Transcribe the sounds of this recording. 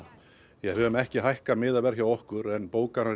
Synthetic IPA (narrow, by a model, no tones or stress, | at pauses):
jɛɦœːvʏmɛhcɪɦajhkamɪːðavɛɾ̥çawɔhkʏɾɛnpoːwkaɾa